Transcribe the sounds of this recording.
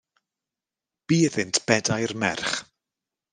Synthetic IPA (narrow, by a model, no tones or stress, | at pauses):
b̥iːəðɪntʰb̥ɛdajrmɛrχ